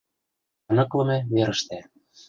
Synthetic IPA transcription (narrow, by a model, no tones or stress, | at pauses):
ɤnɤ̆klɤ̆mĕβeɾə̆ʃt̪æ